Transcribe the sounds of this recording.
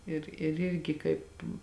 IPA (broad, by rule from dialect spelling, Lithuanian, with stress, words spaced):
ɪr ɪr ˈɪrʲɡʲɪ ˈkɐɪp